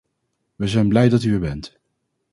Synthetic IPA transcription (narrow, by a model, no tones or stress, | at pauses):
ʋəzɛjnblɛjdɑtyəɹbɛnt